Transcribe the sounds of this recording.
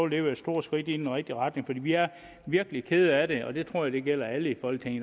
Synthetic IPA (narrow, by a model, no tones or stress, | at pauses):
ʊleːʊɐed̥sd̥o̝ɐ̰dsɡ̥ʁid̥innʁɛɡ̥̚d̥iʁɑ̈d̥ne̝ŋfɒd̥ḭːʋiæɐ | ʋiɐɡ̥əlikʰeð̞ˠəæɾe̝ɒ̽d̥e̝t͡sʰʁo̝ɐ̰jad̥e̝ɡ̥el̰ɐæləifɒ̽l̰ɡ̥̚t͡sʰeŋn